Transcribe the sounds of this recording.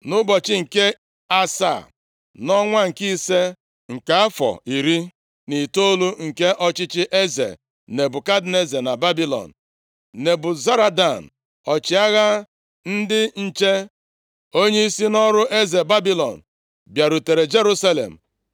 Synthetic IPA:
nʊ˦bɔ˨t͡ʃɪ˦ŋ̩˨ke˦ | a˦sa̰˦˨ | nɔ˦ŋʷa˦ŋ̩˨ki˦se˦ | ŋ̩˨ka˨˦a˦fɔ̰˨i˨ɾi˦ | ni˨to˦lu˦ŋ̩˨ke˦ʔɔ˦t͡ʃɪ˦t͡ʃɪ˦ʔe˦zḛ˨ | ne˨bʊ˨ka˦dne˦ze˨na˨ba˦bi˦lɔ̰˨n̩˨ | ne˨bʊ˨za˦ɾa˨da˨n̩˨ | ɔ˨t͡ʃɪ˨a˦ɣa˦ | n̩˦dɪ˦n̩˦t͡ʃe˦ | o˦ɲe˦i˦si˦nɔ˦ɾʊ˦ʔe˦ze˨ba˦bi˦lɔ̰˨n̩˨ | bja˨ɾu˨te˨ɾe˨d͡ʒe˦ɾu˦sa˦lḛ˨m̩˨

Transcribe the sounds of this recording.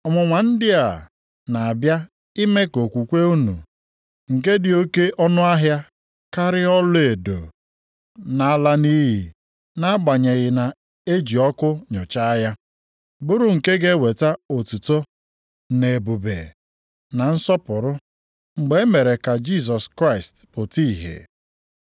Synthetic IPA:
ɔ˨mʊ˨ŋʷa˨n̩˦dɪ˦a˨ | na˨a˨bja˦ | i˦me˦ko˨kʷu˨kʷe˦u˦nṵ˨ | ŋ̩˨ke˦dɪ˨o˦ke˦ʔɔ˦nʊ˦a˦ɦja˦ | ka˦ɾɪ˦ɔ˦le˨do̰˨ | na˨a˨la˨ni˦ɦi˨ | na˦a˦ɡ͡ba˨ɲe˨ɣɪ˨na˨ | e˦d͡ʒi˨ɔ˦kʊ˦ɲʊ˨t͡ʃa˦ja˦ | bʊ˦ɾʊ˦ŋ̩˨ke˦ɡe˦we˨ta˦o˨tu˨to˦ | ne˨bu˨bḛ˨ | na˨n̩˦sɔ˦pʊ˨ɾʊ˦ | ŋ͡m̩˨ɡ͡be˨e˦me˨ɾe˨ka˨d͡ʒi˦s̬ɔ˨skɾa˦ɪ˨stpʊ˨ti˦˨ɦḛ˨

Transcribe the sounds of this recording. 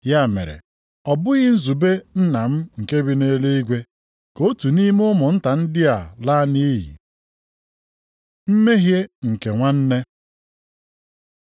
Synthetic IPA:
ja˦˨mḛ˨ɾḛ˨ | ɔ˨bʊ˦ɣɪ˦n̩˦zu˨be˦n̩˦na˨m̩˦ŋ̩˨ke˦bi˦ne˦le˦i˦ɡʷe˦ | ko˦tu˨ni˦m˦ʊ˦mʊ˨n̩˦ta˨n̩˦dɪ˦a˨la˦ni˦jḭ˨ | m̩˦me˦ɦje˦ŋ̩˨ke˨ŋʷa˦n̩˦ne˦

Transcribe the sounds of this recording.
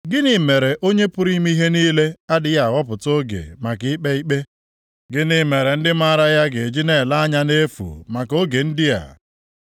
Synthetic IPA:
ɡɪ˦nɪ˨me˨ɾe˨ʔo˦ɲe˦pʊ˦ɾi˦mi˦ɦe˦niː˦le˦a˦dɪ˦ja˦˨wɔ˦pʊ˨to˦ɡḛ˨ma˨kɪ˨˦ɪ˦k͡pe˦i˦k͡pe˦ | ɡɪ˦nɪ˦me˨ɾe˨n̩˦dɪ˦ma˦ɾa˦ja˦ɡe˨d͡ʒi˦ne˦˨la˦a˦ɲa˦ne˦fṵ˨ma˨ko˦ɡe˨n̩˦dɪ˦ja̰˨

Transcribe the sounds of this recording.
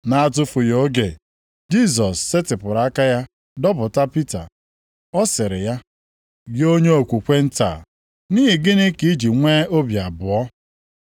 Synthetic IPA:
na˨a˦˨t̬ʊ˦fʊ˨jo˦ɡe˨ | d͡ʒi˦s̬ɔ˨sːɪ˦tɪ˨pʊ˨ɾa˨a˦ka˦ja˦ | dɔ˦bʊ˨ta˦pi˦ta̰˨ | ɔ˦sɪ˨ɾɪ̰˨ja˦ | ɡɪ˦o˦ɲe˦o˨kʷu˨kʷe˦n̩˦ta̰˨ | niː˦ɦi˨ɡɪ˦nɪ˦ki˦d͡ʒi˨ŋʷeː˦o˦bja˨bʊ˨ɔ˦

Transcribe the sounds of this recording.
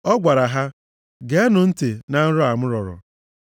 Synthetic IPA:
ɔ˦ɡʷa˨ɾa˨ɦa˦ | ɡe˨e˦nʊ˨n̩˦te˨na˦n̩˦ɾʊ˦a˨mʊ˦ɾɔ˨ɾɔ̰˨

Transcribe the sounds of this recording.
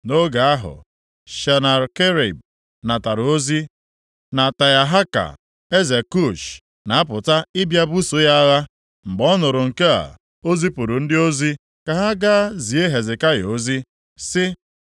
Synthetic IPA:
no˦ɡa˨a˦ɦʊ̰˨ | ʃa˨na˨ɾke˦ɾḭ˨b̚ | na˨ta˨ɾo˦zi˦ | na˨ta˨ja˨ɦa˦ka̰˨ | e˦ze˨ku˦˨ʃ | na˨a˦p̬ʊ˨ta˦ɪ˦bja˦bu˦so˦ja˦a˦ɣa˦ | m̩˨ɡ͡bɔ˦nʊ˨ɾʊ˨ŋ̩˨ke˦a̰˨ | o˦zi˦pʊ˨ɾʊ˨n̩˦dɪ˦o˦zi˦ | ka˨ɦa˦ɡa˦zi˨e˦ɦe˨zɪ˨ka˦jo˦zi˦ | sɪ˦

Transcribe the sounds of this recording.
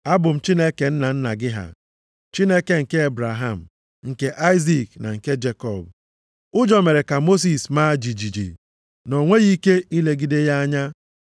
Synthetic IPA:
a˦bʊ˨m̩˨t͡ʃi˦ne˦ke˨n̩˦na˨n̩˦na˨ɡɪ˦ɦa̰˨ | t͡ʃi˦ne˦ke˦ŋ̩˨ke˦e˦bɾa˨ɦa˦˨m̩˨ | ŋ̩˨ke˦ʔa˦ɪ˦zi˦˨kna̰˨ŋ̩˨ke˦d͡ʒe˦kɔ˨b | ʊ˦d͡ʒɔ˨me˨ɾe˨ka˨mo˦s̬i˨sma˦d͡ʒi˨d͡ʒi˨d͡ʒḭ˨ | no˨ŋʷe˦ɣi˦ke˦i˦le˦ɡi˦de˦ja˦a˦ɲa˦

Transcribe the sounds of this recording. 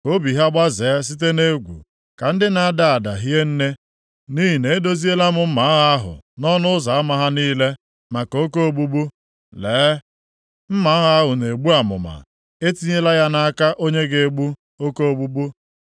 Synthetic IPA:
ko˦bi˨ɦa˦ɡ͡ba˦ze˨˦s̬i˦t̬e˦ne˦ɡʷṵ˨ | ka˨n̩˦dɪ˦na˨a˦da˨a˨da̰˨ɦi˦e˦n̩˦ne˦ | ni˦ɦi˨ne˨e˦do˦zi˦e˦la˦mʊ˨m̩˦ma˨˦ɣa˦ɦʊ̰˨nɔ˦nʊ˦ʊ˦za˨a˦ma˨ɦa˦niː˦le˦ | ma˨ko˦ko˦o˨ɡ͡bu˦bu˦ | leː˨˦ | m̩˦ma˨˦ɦa˦ɦʊ˨ne˨ɡ͡bu˦a˨mʊ̰˨ma̰˨ | e˦ti˦ɲe˦la˦ja˦na˦a˦ka˦ʔo˦ɲe˦ɡe˨˦ɡ͡bu˦ | o˦ko˦o˨bu˦bu˦

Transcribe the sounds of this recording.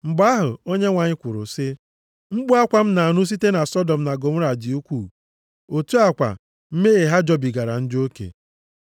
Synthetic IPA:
ŋ͡m̩˨ɡ͡ba˦ɦʊ˨o˦ɲe˦ŋʷa˨ɲɪ˦kʷʊ˨ɾʊ̰˨sɪ˦ | ŋ͡m̩˦ɡ͡bu˦a˦kʷa˦m̩˦na˨a˨nʊ˦s̬i˦te˦na˨sɔ˦dɔ˨m̩˨na˨ɡo˨m̩˦ɾa˨d͡ʒi˨u˦kʷu˦˨ | o˨tu˦a˨kʷa̰˨ | m̩˦me˦e˨ɦa˦d͡ʒɔ˦bi˨ɡa˨ɾa̰˨n̩˦do˦kḛ˨

